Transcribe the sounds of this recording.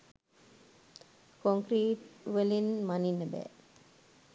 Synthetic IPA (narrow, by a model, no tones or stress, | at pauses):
koŋkɾiːʈʋəlinmaninːəbɛ̰ː